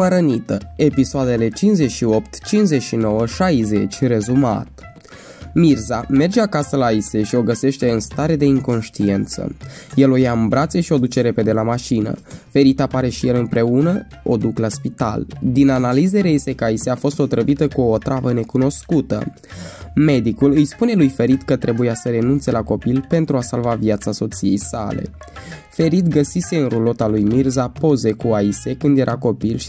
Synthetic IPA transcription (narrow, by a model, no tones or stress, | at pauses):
əɾənit̪əe̞pisoad̪e̞le̞t͡ʃinze̞ʃio̞pt̪t͡ʃinzeʃino̞wəʃajze̞t͡ʃʲre̞zuma̰t̪ | mirzame̞rd͡ʒe̞akasəlaise̞ʃio̞ɡəse̞ʃt̪e̞ɨnst̪aɾe̞d̪e̞ɨŋko̞nʃt̪ie̞nt̪sə̰je̞lo̞jaɨmbɾat̪se̞ʃio̞d̪ut͡ʃe̞ɾe̞pe̞d̪e̞lamaʃinə̰fe̞ɾit̪apaɾe̞ʃije̞lɨnpɾe̞unə | o̞̰d̪uklaspit̪a̰ld̪inanalize̞ɾese̞kəaiseafo̞st̪o̞t̪ɾəvit̪əkuːt̪ɾavəne̞kuno̞skut̪ə̰ | me̞d̪ikulɨjspune̞lujfe̞ɾit̪kət̪ɾe̞bujasəɾe̞nunt̪se̞lako̞pilpe̞nt̪ɾuasalvavjat̪saso̞t̪sije̞̰jsa̰le̞̰ | fe̞ɾit̪ɡəsise̞ɨnɾulo̞t̪alujmirzapo̞ze̞kuaise̞kɨnd̪je̞ɾʔako̞pilʃ